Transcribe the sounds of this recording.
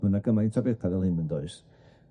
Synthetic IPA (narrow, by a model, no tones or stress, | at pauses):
ənaɡəmaintʰabɛθaðɛlˠhɨnəndoɨs